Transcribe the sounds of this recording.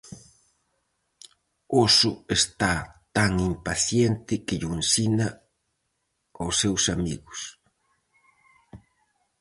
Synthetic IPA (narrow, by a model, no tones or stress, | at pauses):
osʊest̪at̪aŋimpaθjent̪ɪkɪʎuensinɐ | osːewsamiɣʊs